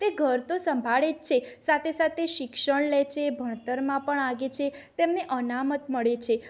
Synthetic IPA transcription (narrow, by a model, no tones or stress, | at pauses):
t̪eɡʱəɾt̪osəmbʱaɭed͡ʒt͡ʃʰesat̪ʰesat̪ʰeʃɪkʃəɳ̃let͡ʃʰebʱəɳ̃t̪əɾmãpəɳaɡet͡ʃʰet̪emneʔənamət̪məɭet͡ʃʰe